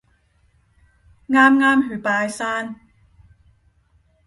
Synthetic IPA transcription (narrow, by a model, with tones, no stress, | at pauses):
ŋaː˥mŋaː˥mhyː˨˩˦paː˧jsaː˥˩n